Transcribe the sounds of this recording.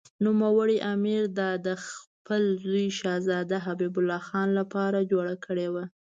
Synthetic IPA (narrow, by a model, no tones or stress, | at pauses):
numawəɽiʔamiɾd̪ɑd̪əxpəlzujʃɑzɑd̪aɦabibʊlːɑxɑnlapɑɾad͡ʒoɽakʰəɽewa